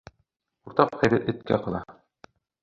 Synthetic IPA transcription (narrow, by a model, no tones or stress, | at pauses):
uɾt̪ɑqχæðɘɾʔɘ̆t̪̚kæ̰qɤ̆lˠɑ̰